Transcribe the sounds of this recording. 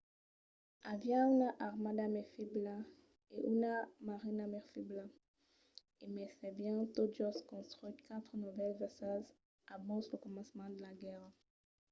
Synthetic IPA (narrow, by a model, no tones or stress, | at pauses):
avjanaʔaʁmad̪amɛfibla | eʔunamaʁinamɛʁfibla | emɛsɛbjɛ̃t̪ɔʒɔskɔ̃st̪χit̪kat̪χənuvɛlvɛsaz | abɔ̃sləkɔmɑ̃smɑ̃d̪əlaɡɛʁ